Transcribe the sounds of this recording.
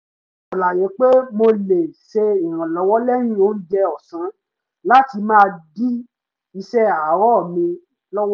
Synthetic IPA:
ɔ˨la˨je˨˦k͡pe˦mo˧le˨ʃe˧i˨ɾ̃ã˨lɔ˨˧˦wɔ˦lɛ˦j̃ĩ˦o˨˦n̩˦d͡ʒɛ˧ɔ˨sã˨˦ | la˦ti˧mãː˦˧di˦ | i˧ʃɛ˦a˨˦wɔ˦˨mĩ˧ | lɔ˦w

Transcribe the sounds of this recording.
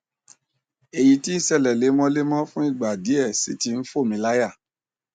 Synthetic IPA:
e˨ji˧ti˦i˦˨sɛ˧lɛ˨le˨˦mɔ̃˦le˦mɔ̃˦fũ˦i˦˨ɡ͡ba˨di˨˦ɛ˦˨si˨˦ti˧n̩˦fo˦˨mĩ˦la˦ja˦˨

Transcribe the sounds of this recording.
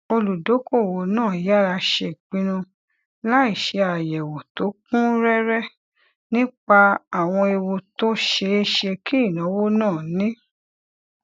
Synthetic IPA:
o˧lu˨do˨˦ko˦˨wo˨˦nãː˦˨˦ja˦˨ɾa˧ʃe˧˨k͡pĩ˧nũ˧ | la˦i˦˨ʃe˧a˨jɛ˨wo˨to˨˦kũ˦ɾɛ˦ɾɛ˦ | nĩ˦k͡pa˧a˨w̃ɔ̃˧e˧wo˨to˦ʃe˧e˧ʃe˧kʰi˦i˦˨nã˨˦wo˦nãː˦˨nĩ˦

